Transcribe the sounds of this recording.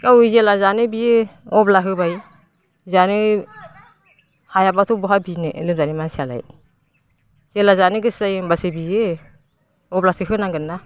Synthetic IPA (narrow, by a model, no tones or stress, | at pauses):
ɡawzelazanɯbijeɔblaɦɯbaj | zanɯ | hajabatʰɔbɔɦabinɯʔlɯmzanimansala̰j | zelazanɯɡɯsajnbasɯbije | ɔblasɯɦɯnaŋɡɯnːa